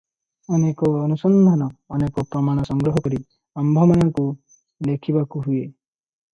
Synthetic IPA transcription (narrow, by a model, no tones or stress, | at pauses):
ɔnekɔːnusɔnd̪ʱanɔːnekɔpɾɔmaɽ̃ɔsɔŋɡɾɔɦɔkɔɾi | ambʱɔmajɔŋku | lekʰibakuɦue